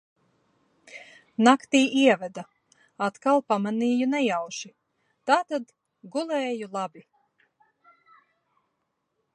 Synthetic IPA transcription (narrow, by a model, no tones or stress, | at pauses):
nakt̪iːʔiɛvɛd̪a | at̪kalˠpamaniːjunɛjawʃi | t̪aːt̪ad̪ | ɡulˠɛːjulˠabi